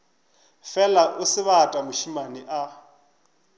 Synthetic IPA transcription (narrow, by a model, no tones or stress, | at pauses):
fɛlaʔʊsɪβatʼamʊʃimaniʔa